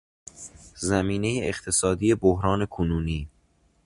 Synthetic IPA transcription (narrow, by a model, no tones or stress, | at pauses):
zæmiːne̞jeʔeχt̪ʰe̞sɒːd̪iːje̞bohɾɒːne̞kʰonuːniː